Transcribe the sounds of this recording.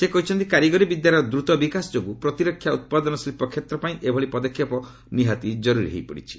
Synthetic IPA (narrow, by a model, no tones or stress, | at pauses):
sekɔɦit͡ʃʰɔnt̪ikaɾjiɡɔɾibid̪jaɾɔd̪ɾut̪ɔbikasɔd͡ʒoɡupɾɔt̪iɾɔkʰːjaut̪̚pad̪ɔnɔslipɔkʰjet̪ɾɔpaĩʔebʱɔɭipɔd̪ɔkʰːjɔpɔ | niɦat̪id͡ʒɔɾuɾḭɦḛjpɔɽḭt͡ʃʰi̥